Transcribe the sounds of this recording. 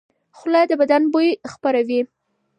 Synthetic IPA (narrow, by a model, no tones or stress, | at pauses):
xʊlɑjd̪əbad̪anbojxpaɾawi